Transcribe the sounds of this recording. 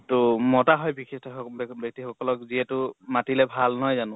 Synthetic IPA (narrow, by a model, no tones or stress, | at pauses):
tʊmɔtaɦɔjbikistʰɔbbɔk̚tixɔkɔlɔkziɛtʊmatilɛbʱalnɔjzanʊ̃